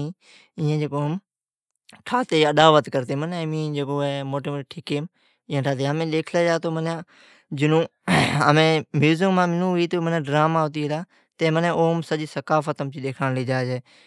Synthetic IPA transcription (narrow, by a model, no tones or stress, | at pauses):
ĩː | ɪ̃ːẽːd͡ʒeːkoːɦəm | ʈʰaːt̪eːəɗ̪aːʋət̪kəɾt̪eːməneːmĩːd͡ʒeːkoːɛːmoːʈeːmʈʰiːkeːm | ɪ̃ːãːʈʰaːt̪̬eːɦəmẽːɗeːkʰleːd͡ʒaːt̪oːmənãː | d͡ʒɪnũː | əmẽːmjuːzɪŋmãːmɪnũːɦʊiːt̪oːmənãːɖɾaːmaːɦot̪̬iːɦlaː | t̪eːmənẽːoːmsəd͡ʒiːsəkaːfət̪əmt͡ʃiːɗeːkʰanliːd͡ʒaːd͡ʒeː